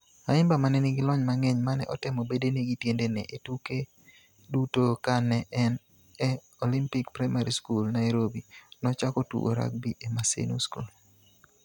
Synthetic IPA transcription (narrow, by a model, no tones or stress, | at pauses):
aɪmbamanɛnɪɡɪlɔɲmaŋɛɲmanɛ̰ʔɔtɪmɔbedeniɡitjendenɛʔetuke | dutokanɛʔɛn | ɛ | ɔlimpɪkpɾajmaɾiskulnajɾobinɔt͡ʃakotṵɡo̰ɾa̰k̚biʔemasḛnṵskṵl